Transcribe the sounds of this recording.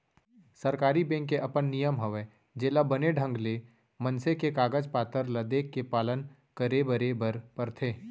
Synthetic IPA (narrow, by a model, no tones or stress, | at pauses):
sɐɾkaːɾibɛ̃ŋkːeʔɐpənːijəmɦɐʋeː | d͡ʒeːlabɐneɖʱə̃ŋɡle | mɐnsekekaːɡəd͡ʒpaːt̪əɾlɐd̪eːkːepaːlən | kəɾebəɾebəɾpəɾt̪ʰeː